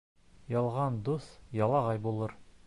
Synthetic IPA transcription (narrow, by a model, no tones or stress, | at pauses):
jɑlˠʁɑnd̪usjɑlˠɑʁɑjbulˠɤɾ